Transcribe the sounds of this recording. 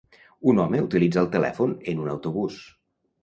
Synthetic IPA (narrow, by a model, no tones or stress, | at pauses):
unɔməut̪ilid͡zəːlˠt̪əlɛ̰fonənunə̰wt̪uβus